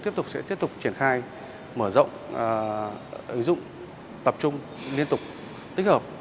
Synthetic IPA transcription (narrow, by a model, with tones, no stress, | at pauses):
t̪i˦˥əp̚t̪ʊ˨˩k͡p̚sɛ̰˧˥t̪i˦˥p̚t̪k͡p̚t͡ɕi˧˩ənxaː˧j | məː˧˩zə̰˧˨wŋ͡m | ʔï˨˦ŋ̟zʊ̰˧˨ŋ͡m | t̪ə˨˩p̚t͡ɕʊ˧ŋ͡m | li˧ənt̪ʊ˨˩k͡p̚ | t̪ï˦˥k̟həː˨˩p̚